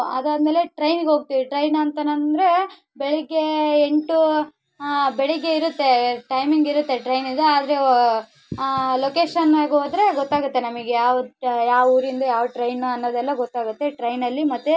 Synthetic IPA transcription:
ɐd̪aːd̪meːleʈɾɐjnɡeɦoːɡ̚t̪iʋiʈɾɐjnɐnt̪ɐnɐnd̪ɾe̞ | bɛɭɛɡːe̞eɳʈu | bɛɭɛɡːe̞iɾut̪ːe̞ʈɐjmiŋɡiɾut̪ːe̞ʈɾɐjnid̪uaːd̪ɐɾe̞ | lokeːʂɐnaːɡeɦoːd̪ɾe̞ɡɔt̪ːaːɡut̪ːe̞nɐmiɡejaːʋjaːʋuːɾind̪ɐjaːʋʈɾɐjnuɐnːod̪ɛlːɐɡot̪ːaːɡut̪ːe̞ʈɾɐjnɐlːimɐt̪ːe

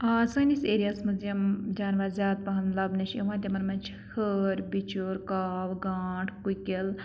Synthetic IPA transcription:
asɐniseːɾijasmɐzijɐmd͡ʒaːnʋaːɾzʲjaːd̪̚pɐɦɐmlɐbnɐt͡ʃʰewãːt̪emɐnmɐnt͡ʃʰi̥hʰəɾbit͡ʃuɾkaːwɡaːʈʰkukel

